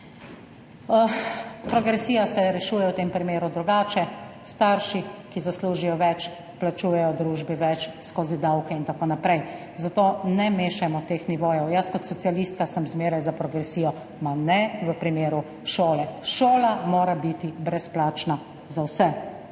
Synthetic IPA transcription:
pɾɔɡɾɛsijasɛɾɛʃuːjɛwt̪eːmpɾimeːɾud̪ɾuɡaːt͡ʃɛst̪aɾʃikizasluːʒijɔʋɛt͡ʃ | plat͡ʃuːjɛjɔd̪ɾuːʒbiʋɛt͡ʃskoːzid̪awkɛint̪akoːnapɾɛj | zat̪oːnɛmeːʃɛmɔt̪eːxniʋoːjɛwjəskɔt̪sɔt̪sialist̪kasəmzmeːɾajzapɾɔɡɾɛsiːjɔ | manɛʋəpɾimeːɾu | ʃoːlɛʃoːlamoːɾabit̪ibɾɛsplaːt͡ʃna | zawsɛ

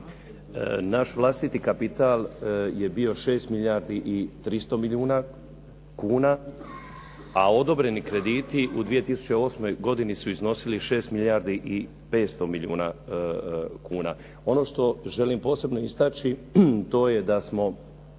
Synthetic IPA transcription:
naʃʋlˠast̪it̪ikapit̪alje̞bio̞ʃe̞ːst̪miljaːɾd̪iʔit̪ɾist̪o̞miʎjuːna | kuːna | ao̞d̪o̞bɾe̞nikɾe̞d̪iːt̪iʔud̪ʋije̞t̪isu̥t͡ɕeo̞smo̞jɡo̞d̪inisuizno̞siliʃe̞ːst̪miljaɾd̪iʔi | pe̞ːt̪st̪o̞miʎiṵːna̰ | kuːna̰ː | o̞no̞ʃt̪o̞ʒe̞limpo̞ːse̞bno̞ist̪at͡ʃit̪o̞ːje̞d̪asmo̞

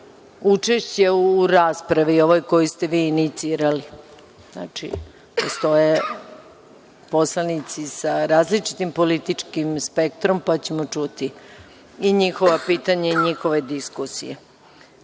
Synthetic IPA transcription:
ut͡ʂeʃt͡ɕe̞uːɾaːspɾaʋio̞ʋojko̞jist̪e̞ʋiːnit̪siːɾali | zna̰t͡ʃḭ | post̪o̞je | po̞slanit̪sisaɾaːzlit͡ʂi̥t̪impo̞lit̪it͡ʂkimspe̞k̚t̪ɾo̞mpat͡ɕe̞mo̞t͡ʂut̪i | iɲixo̞ʋapiːt̪aɲaiɲixoʋe̞d̪iskusḭje

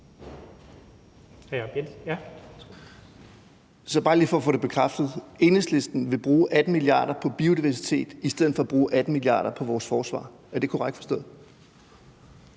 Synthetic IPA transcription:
b̥e̥j | sɒ̽b̥ɑ̈ːliːdfɒ̽ɒfɔ̽ːde̝b̥e̝kʰʁafd̥ð̩ˠe̝nesle̝sd̥n̩ʋe̝b̥ʁuːʔæd̥n̩miliɑ̰̈ːɾ̥ɐpʰɒ̽b̥iːodiʋæɐsit͡sʰe̝̰ːd̥isd̥eð̩ˠfɒ̽b̥ʁuːʔæd̥n̩miliɑ̰̈ːɾ̥ɐpʰɒ̽ʋɒːsfɒːsʋɑ̰̈ː | ɒd̥e̝kʰu̥ʁaɡ̥fɒsd̥ɔ̰̽ː

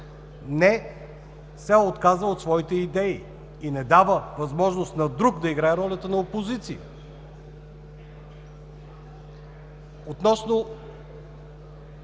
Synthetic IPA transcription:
nɛ | sɛot̪kazəot̪svɔit̪ɛid̪ɛi | inɛd̪avəvɐzmɔʒnost̪nɐd̪ɾukd̪ɐiɡɾaɛɾɔlʲət̪ənɐopozit̪sijə | ot̪nɔsno

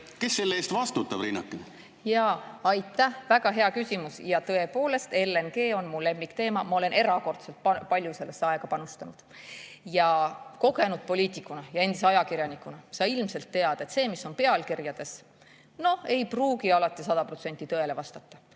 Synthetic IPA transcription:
ke̞sːelːeeːst̪vɑst̪ut̪ːˑɑbɾinːɑkːˑe | jɑːɑjt̪ːˑæhvæɡ̥ɑɦe̞ɑkysʲimusjɑt̪ɤe̞po̞ːle̞st̪e̞lːenɡe̞ːo̞nmulːe̞mːikt̪e̞ːmɑmɑo̞le̞nʔe̞ɾɑko̞rt̪se̞lt̪̚pɑpɑlʲjuse̞lːe̞sːeɑeɡ̥ɑpɑnust̪ɑnud̪̥ | jɑko̞ɡe̞nud̪̥̚po̞lʲiːt̪ˑikˑːunɑjɑe̞nd̪iseɑjɑkirjɑnikːˑunɑsɑilmse̞lt̪ːe̞ɑd̪̥ɑe̞t̪se̞ːmisːo̞npe̞ɑlkirjɑd̪̥e̞s | no̞he̞jpruːɡiɑlɑt̪ːˑisɑd̪̥ɑpro̞t̪se̞nʲt̪ːˑit̪ɤ̞e̞le̞vɑst̪ɑt̪ːɑ̥

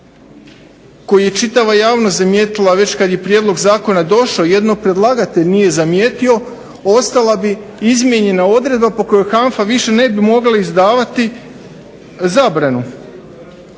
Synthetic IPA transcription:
ko̞jije̞t͡ʃit̪aʋajaːʋnost̪zamjeːt̪ilaʋe̞t͡ɕkad̪je̞pɾjed̪lˠo̞ɡzaːko̞nad̪o̞ʃaoje̞d̪nopɾe̞d̪lˠaɡat̪e̞ʎnije̞zamjeːt̪io̞ | o̞st̪alˠabi | izmje̞ɲe̞nao̞d̪ɾed̪̚bapo̞ko̞jo̞jxaɱfaʋiʃe̞ne̞bimo̞ɡlaizd̪aːʋat̪i | zaːbɾanu

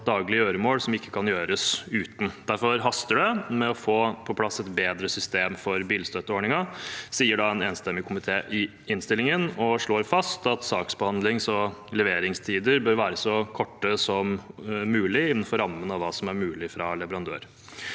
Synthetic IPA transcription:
d̪ɑːɡlɪəøːɾəmoːlsɔmɪkʰːə̥kʰɑnjøːɾəsʉːt̪n̩d̪æɾfɔɾɦɑst̪əɖɛmɛɔfoːpʰɔpʰlɑsːɛt̪beːd̪ɾəsʏst̪eːmfɔɾbiːlst̪øt̪ːəoːɳɪŋɑsiːəɖɑɛneːnst̪ɛmːɪkʰʊmɪt̪ʰeːʔɪ | ɪnst̪ɪlɪŋənɔʂɭoːɾfɑst̪ɑt̪sɑːksbəhɑnd̪lɪŋsɔlɛʋeːɾɪŋst̪ʰiːd̪əɾbøːɾʋæːɾəsɔkʰɔʈːəsɔmːʉːlɪɪnːən̩fɔɾɑmːənɑʋɑːsɔmæɾmʉːlɪfɾɑlɛʋəɾɑnd̪ø̰ːɾ

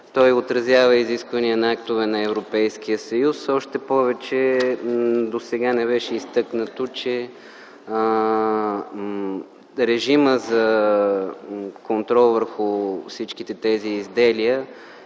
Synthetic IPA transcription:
t̪ɔjot̪ɾɐzʲjavəiziskvɐniənɐak̚t̪ʊvɛnɐɛvɾopɛjsk̟ijəsɐjusɔʃt̪ɛpɔvɛt͡ʃɛ | d̪osɛɡanɛβɛʃɛist̪ɤknət̪ot͡ʃɛ | ɾɛʒiməzɐ | kont̪ɾɔlˠvəɾxʊfsit͡ʃkit̪ɛt̪ɛziːzd̪ɛlijə

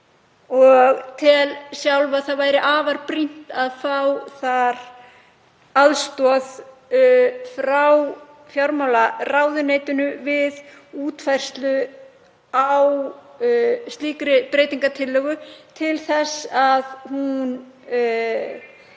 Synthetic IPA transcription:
ɔɣt̪ʰɪlsjawlvaθaðvaːjɾɪʔaːvaɾpɾin̥t̪aðfawθaɾ̥ | aðst̪ɔð | fɾaw | fjawɾmawlaraːwðʏneːjt̪ʏnʏvɪð | uːt̪fajr̥st̪lʏ | aww | st̪iːkɾɪpɾeːjt̪iŋkat̪ʰɪlːœːɣʏt̪ʰɪlθɛsaðhun

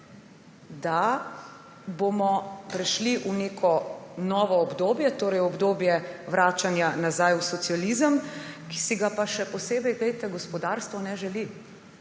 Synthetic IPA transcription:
d̪a | bomɔpɾɛʃliʔuneːkʰɔnɔːʋɔːbd̪oːbjɛt̪oːɾɛjɔbd̪oːbjɛʋɾaːt͡ʃanjanazajusɔt̪sijalizəmki̥siɡapaʃɛpɔseːbɛjɡlejt̪ɛɡɔspɔd̪aːɾst̪ʋɔnɛʒɛli

